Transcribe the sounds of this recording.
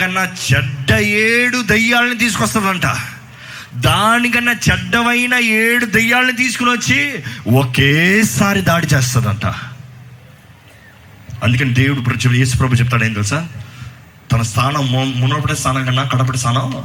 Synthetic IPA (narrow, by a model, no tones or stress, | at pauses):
ɐnːat͡ʃɛɖːɐeːɽud̪ɐjːaːlɐnit̪̬iːs̬u̥kɔst̪ɐːd̪ɐɳʈa̰ː | d̪aːnikɐnːaːt͡ʃɛɖːɐʋɐjnɐːeːɽud̪ɐjːaːlɐnit̪̬iːsu̥kunɐt͡ʃːiwokeːsaːɾid̪aːɽit͡ʃeːs̬t̪ɐd̪ɐɳʈa̰ː | ɐ̰nd̪ukɐnːed̪e̞ːwuɽupɾɐt͡ʃje̞ːs̬u̥pɾɐbʱuːt͡ʃɛp̬̚t̪aːɽɐjnd̪ɐːsaːɾ | t̪ɐnɐst̪ʰaːnɐmmunoːpɐʈest̪ʰaːnɐŋkɐnːaːkɐɽɐp̬ɐʈest̪ʰaːnɐ